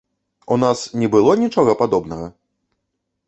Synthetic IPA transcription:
unasnʲɛbɨlˠɔnʲit͡ʂɔɣɐpad̪ɔbnɐɣɐ

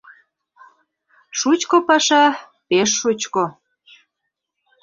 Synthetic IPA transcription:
ʃut͡ɕkopɑʃɑ | peʃːut͡ɕko

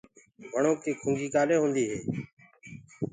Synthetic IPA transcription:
bʱəɳoːk̚t̪iːkʰʊ̃ŋɡʱiːkaːleːɦõːnd̪iːɦḛː

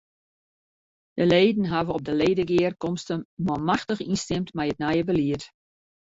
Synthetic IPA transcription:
d̥əleːdən̩ɦavəɔp̚dəleːdəɡɪərkɔmstənmɔmaxtəχinstɪmtmɛjət̚nɛjəbəliət

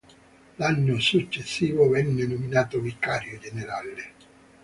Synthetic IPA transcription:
lanːosut͡ʃːesːiːvʊvɛnːenominaːt̪ovikːaːɾjod͡ʒeneɾale

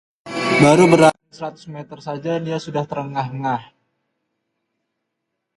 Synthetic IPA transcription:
baɾubəɾa | səɾat̪ʊ̥smet̪ərsad͡ʒadiasudaht̪əɾəŋaɦŋah

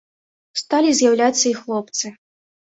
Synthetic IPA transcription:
st̪alʲizʲjawlʲat̪sːɐixlˠɔp̚t̪sɨ

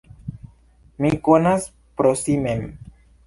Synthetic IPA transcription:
mikonas | pɾosimem

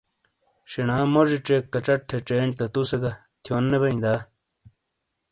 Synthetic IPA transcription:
ɕenaːmoʐiʈ͡ʂekːɐʈ͡ʂɐʈʰːeʈ͡ʂeːɳt̪ɐt̪useɡɐ | t̪ʰjoːnːebɐĩd̪aː

